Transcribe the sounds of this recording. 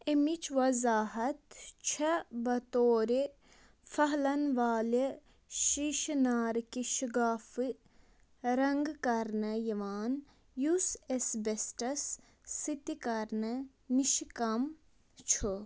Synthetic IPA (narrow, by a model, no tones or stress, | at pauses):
emit͡ʃʋɐzaːɦɐt̪t͡ʃʰɐbɐt̪oːɾe | fɐɦlɐnʋaːle | ʃiʃnaːɾkiʃiɡaːfɨ | ɾɐŋɡkɐɾnɐjɐʋaːn | jusesbesʈɐsː | it̪ikɐɾnɐ | niʃikɐm | t͡ʃʰo